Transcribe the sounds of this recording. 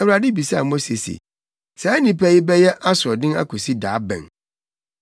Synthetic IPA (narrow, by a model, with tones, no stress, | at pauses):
ɛ˨wu˨ɾa˨dɪ˦bi˨sa˦a̰˨mo˦se˨sḛ˨ | sɛ˨˦æ˦nĩ˨pʰɛ˦jɪ˦bɛ˦jɛ˦ʔa˦sʊ˨ɔ˨dɪ̃˦na̰˦kʰɔ˨si˦daː˨˦bɛ̰̃˨ŋ